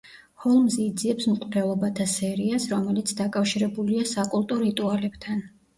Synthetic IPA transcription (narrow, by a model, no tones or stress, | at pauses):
hɔlˠmzɛːd̪ziɛpsmqʼɾɛlˠɔbat̪ʰasɛɾiasɾɔmɛlit̪sʰd̪akʼafʃiɾɛbuliasakʼulˠt̪ʼɔɾit̪ʼualɛbt̪ʰan